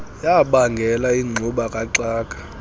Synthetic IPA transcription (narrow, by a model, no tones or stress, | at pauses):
jaɓaŋɡʱɛlaiŋ͡ǀʱuɓakʼaǀaːkʼḁ